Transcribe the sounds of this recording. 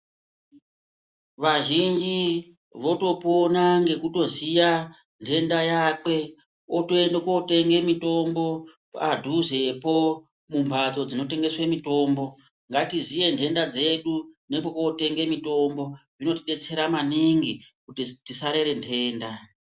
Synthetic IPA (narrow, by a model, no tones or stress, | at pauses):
ʋaʒind͡ʒi | ʋo̞to̞po̞naŋɡe̞kuto̞zija | ntʰe̞ndajaːkwe̞ | oto̞endokote̞ŋɡe̞mito̞mbo̞ | padʱuze̞po̞ | mumbʱad͡zo̞d͡zino̞te̞ŋɡe̞swemito̞ːmbo̞ | ŋɡatizije̞ntʰe̞ndad͡ze̞ɗune̞po̞kote̞ŋɡe̞mito̞mbo̞ʐino̞tiɗet͡se̞ɾamaniŋɡikutitisaɾe̞ɾe̞ntʰe̞ːnda